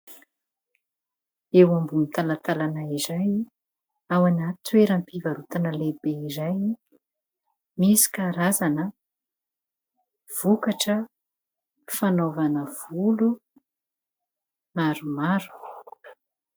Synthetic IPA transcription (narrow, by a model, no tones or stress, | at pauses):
ewambunit̪alat̪alanaizaj | awanat̪weɾampivaɾut̪anəlebeizaj | misi̥kaɾazanə | v̥ukaʈ͡ʂə | fanovanəv̥ulu | maɾumaɾu̥